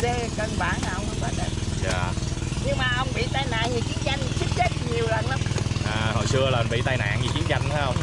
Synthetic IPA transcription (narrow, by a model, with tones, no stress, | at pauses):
ze˧˨kə˨˩nɓa̰ː˧˨nta˨˩hə˧wŋ͡mʔə˧ŋ͡mkaː˧˦˥ɗə˧˩t̚zaː˧˩ɲɨ˧ŋmaː˨˩ʔə˧wŋ͡mɓḭ˧˨t̪aː˧jna̰ː˧˨ŋɲɨ˨˩t͡ɕi˨˦ənt͡ɕa˧jŋ˨˩t͡ɕi˦˥ət̚t͡ɕe˦˥t̚ɲi˨˩əwlə˨˩nla˨˦mʔaː˨˩hɦo̰˧˨jsɨ˧əlaː˨˩ə˩ɓḭ˧˨t̪aː˧jna̰ː˧˨ŋɲɨ˨˩t͡ɕi˨˦ənt͡ɕa˧jŋ̟t̪ʰa˨˦hə˧wŋ͡m